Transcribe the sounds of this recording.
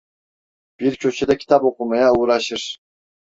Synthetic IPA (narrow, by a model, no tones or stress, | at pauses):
b̥iɾkʲʰøt͡ʃʰed̪akʲʰi̥t̪ʰɑpoqumɑjauɾɑʃɯɾ